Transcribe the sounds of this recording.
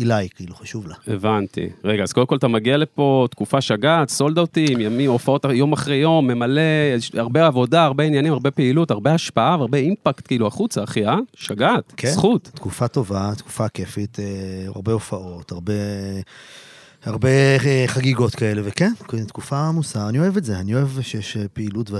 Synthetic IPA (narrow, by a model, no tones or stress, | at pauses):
ilajkiiluχaʃuvlaevant̪ḭʁe̞ɡaːz̥ko̞demkolt̪amaɡiale̞po̞t̪kufaʃaɡat̪so̞ld̪aot̪imjamimo̞fao̞tajo̞maχʁe̞jo̞mːe̞male̞aʁbeavo̞daːʁbe̞injanimaʁbe̞peilutaʁbe̞aʃpaaveaʁbe̞impakt̪kiiluaχut͡saːχiaʃaɡat̪ksχut̪tkufato̞vat̪ku̥fakefitea̰ʁbe̞ofaʔo̞taʁbe | aʁbeχaɡiɡo̞tkae̞le̞vekenktkufamusanio̞evetzeanio̞evʃejɛʃpeilutve